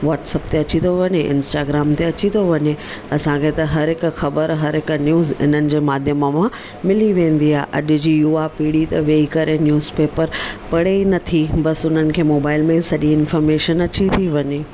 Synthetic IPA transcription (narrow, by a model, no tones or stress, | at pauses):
ʋaːʈsɐbt̪eɐt͡ɕit̪oʋɐɲeʔɪ̰̃nsʈaːɡɾaːmt̪eɐt͡ɕit̪ʰoʋɐɲe | ɐsãkʰet̪ɐɦɐɾɦɪkʊ̆xɐbəɾɦɐɾɦɪkʊnjuːzɪ̰n̤ənɪ̆d͡ʑeːmaːd̪ʱjəməmã | mɪliʋẽːn̆d̪iaːeʔɐ̰ʄʊ̆d͡ʑiːjuːapiːɽit̪ɐʋeːikɐɾʔenjuːzpeːpəɾpɐɽ̤enɐt̪ʰibɐsʊn̤ənɪ̆kʰeːmoːbaːɪlmẽsɐʄĩɪnfɔːɾmeːʃənɐt͡ɕit̪ʰiʋɐɲeː